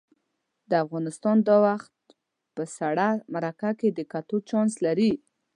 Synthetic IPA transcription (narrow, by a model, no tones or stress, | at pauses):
d̪əafɣɑnɪst̪ɑnd̪ɑwaxt̪̚ | pəsaɽamaɾakaked̪əkat̪ot͡ʃɑnslaɾi